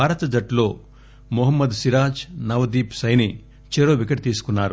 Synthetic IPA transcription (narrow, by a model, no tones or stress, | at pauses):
aːɾɐt̪ɐd͡ʒɐʈlo̞ː | mɔɦɐmːɐd̪siɾaːt͡ʃnɐʋɐd̪iːpsɐjni | t͡ʃeɾoːʋikɐʈt̪iːsu̥kunːaːɾu